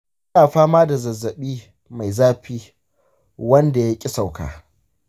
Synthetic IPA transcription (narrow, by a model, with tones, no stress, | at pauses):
ʔɪ˦naː˨ɸaː˦maː˦da˨zɐ˨zːɐ˨ɓiː˦ | ma˨jzaː˦ɸiː˦ | wɐ˦nda˨ja˦kʲʼɪ˦sa˨wka̰ː˨